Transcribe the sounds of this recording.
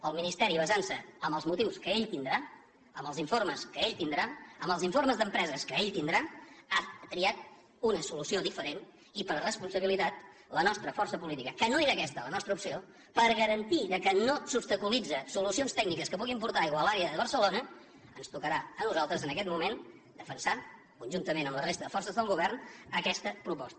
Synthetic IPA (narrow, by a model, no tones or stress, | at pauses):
əlˠminist̪ɛɾiβəzansəəmbəlˠzmut̪iwskəeʎt̪ind̪ɾa | əmbəlˠziɱforməskəeʎt̪ind̪ɾaəmbəlˠziɱforməzðəmpɾɛzəskəeʎt̪ind̪ɾaak̪ɾiat̪̚ | unəsulusioðifəɾen | ipəɾrəspunsəβ̞ilit̪at̪ | lənɔst̪ɾəfɔrsəpulit̪ikəkənoeɾaəkɛst̪ələnɔst̪ɾəupsio | pəɾɣəɾənt̪iðəkənosupst̪əkulid͡zəsulusionst̪ɛɡ̚nikəskəpuɣimpuɾt̪aiɣəlˠaɾeəðəβəɾsəlonə | ənst̪ukəɾaənuzalˠt̪ɾəzənəkɛt̪̚mumen | d̪əfənsa | kunʲʒunt̪əmenəmləresəðəfɔrsəzðəlˠɣuβɛrnəkɛst̪əpɾupɔ̰st̪ə